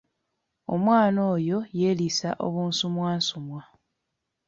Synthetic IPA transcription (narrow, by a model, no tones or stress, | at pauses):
o̞mwaːno̞ːjo̞jeːlisaʔo̰βuːnsumwaːnsumwa